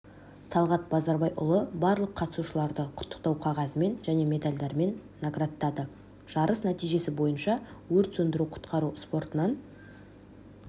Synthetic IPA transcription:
t̪ʰɑlˠʁɑt̪̚bɑzɑɾbɑjʔʊ̰lˠəbɑɾlˠəqʰːɑt̪ə̥suʃəlˠɑɾd̪əqʰʊ̥t̪ːə̥q̚t̪ɑwqʰɑʁɑzəme̞nʒæne̞me̞d̪alʲd̪eɾme̞nːaɡrat̪ːɑd̪ə | ʒ̥ɑɾʔəsnæt̪ijʒe̞sɪbo̞jənʃɑwɵɾt̪sɵnd̪ɪɾuqʰʊ̥t̪qɑɾuspo̞ɾt̪ənɑn

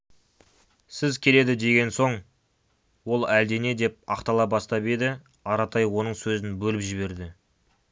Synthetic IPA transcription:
sɪzkʲʰe̞le̞d̪ɪd̪e̞ɡʲe̞nso̞ɴ | wo̞lˠæld̪e̞ne̞d̪e̞p̚ɑ̰qt̪ɑlˠɑbɑst̪ɑpe̞d̪ɪ | ɑɾɑt̪ʰɑjwo̞nəɴsɵzɪnbɵlɪpʒɪβe̞ɾd̪ɪ

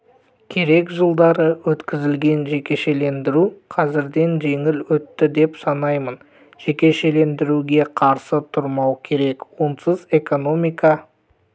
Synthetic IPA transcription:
kʲʰe̞ɾe̞kʒəlˠd̪ɑɾəwɵt̪kʲɪzɪlɡʲe̞nʒe̞kʲe̞ʃe̞le̞nd̪ɪɾuqʰɑzɪɾd̪e̞nʒe̞ŋɪlwɵt̪ːɪd̪e̞psɑnɑjmən | ʒ̥e̞kʲe̞ʃe̞le̞nd̪ɪɾuɡʲe̞qʰɑɾsət̪ʰʊɾmɑwkʲʰe̞ɾe̞kwonsəze̞ko̞no̞mijkɑ

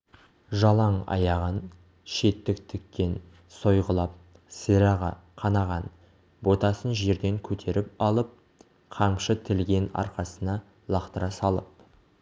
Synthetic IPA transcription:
ʒɑlˠɑɴɑ̰jɑʁən | ʃe̞t̪ːɪkt̪ʰʏkʲːe̞n | so̞jʁəlˠɑp̚ | səɾɑʁɑ̰ | qʰɑnɑʁɑn | bo̞t̪ɑsənʒe̞ɾd̪e̞ŋkʲʰɵt̪ʰe̞ɾɪp̚ɑlˠəp̚ | qʰɑmʃət̪ʰɪlɡʲe̞nɑ̰ɾqɑsənɑ | lˠɑqt̪əɾɑsɑlˠəp̚

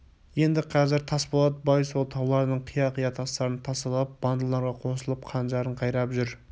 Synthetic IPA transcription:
je̞nd̪ɪqʰɑzɪɾt̪ʰɑsbolˠɑd̪əbɑjsolˠt̪ʰɑwlˠɑɾd̪əɴqʰijɑqijɑt̪ʰɑst̪ɑɾənt̪ʰɑsɑlˠp̚b̥ɑnd̪əlˠːɑɾʁɑqʰo̞səlˠəp̚qʰɑnʒɑɾəɴqʰɑjɾɑpʒʏɾ

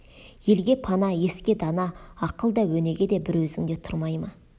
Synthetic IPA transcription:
je̞lɡʲe̞pʰɑnɑje̞skʲe̞d̪ɑnɑːqəlˠd̪ɑwɵne̞ɡʲe̞d̪e̞bɪɾwɵzɪŋd̪e̞t̪ʰʊɾmɑjmɑ

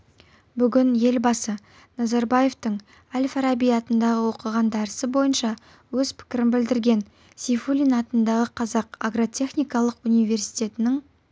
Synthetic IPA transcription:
bʏɡʲɪnje̞lbɑsə | nɑzaɾbaje̞ft̪əɴ | alʲfaɾabijɑt̪ənd̪ɑʁəwo̞qəʁɑnd̪ɑɾəsəbo̞jənʃɑ | wɵz̥pʰɪ̥kʲɪɾɪnbɪld̪ɪɾɡʲe̞n | sifulʲinɑt̪ənd̪ɑʁəqʰɑzɑqaɡrot̪ʲʰe̞χnʲijkɑlˠəqunijvʲe̞rsi̥jt̪e̞t̪ɪnɪŋ

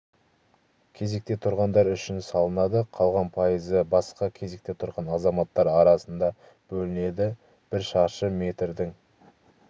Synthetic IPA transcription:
kʲʰe̞ze̞k̚t̪e̞t̪ʰʊɾʁɑnd̪ɑɾʏʃɪnsɑlˠənɑd̪əqʰɑlˠʁɑnpʰɑjəzəbɑsqɑkʲʰe̞ze̞k̚t̪e̞t̪ʰʊɾʁɑnɑzɑmɑt̪ːɑɾɑɾɑsənd̪ɑ | b̥ɵlɪne̞d̪ɪ | b̥ɪɾʃɑʁʃəme̞t̪ɾd̪ɪŋ

